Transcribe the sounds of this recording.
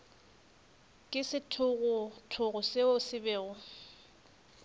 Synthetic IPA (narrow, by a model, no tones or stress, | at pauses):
kʼɪsɪtʰʊɣʊtʰʊɣʊsɪʊsɪbɛːʊ